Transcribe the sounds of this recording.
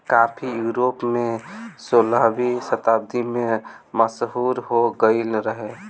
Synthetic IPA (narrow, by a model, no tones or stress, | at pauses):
kapʰijuɾopmesoləɦbisət̪aːb̚d̪ime | məsɦuɾɦoɡəɪlɾəɦe